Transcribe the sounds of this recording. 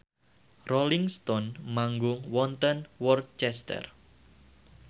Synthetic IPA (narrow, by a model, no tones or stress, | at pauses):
rɔliŋst̪ɔnmaŋɡʊŋwɔnt̪ənwɔrt̪̚t͡ʃɛst̪ɛ̰r